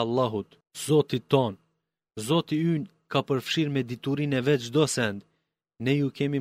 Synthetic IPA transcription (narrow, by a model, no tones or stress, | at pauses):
lˠːɑɦut̪ | zɔt̪it̪ɔn | zɔt̪iyn | kapəɾfʃiɾmɛd̪it̪uɾinɛvɛd͡ʒd̪ɔsɛnd̪ | nɛjukɛmi